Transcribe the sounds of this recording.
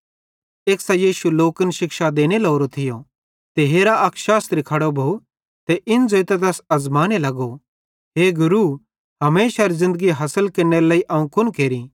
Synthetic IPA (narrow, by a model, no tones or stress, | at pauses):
eːksajiːʃuloːkənʃɪkʃad̪eːñeloːɾot̪ʰɪjo | t̪eɦeːɾaʔɐkʃaːsɾikʰɐɽobʱou | t̪ɛʔɪnd͡zoːɪt̪et̪̬ɛːsɐzmaːnelɐɡo | ɦeːɡʊɾu | ɦɐmeːʃaɾzɪ̃nd̪əɡiɦɐsəlkɐɾneɾlaːiʔɐːũkʰʊnkeːɾi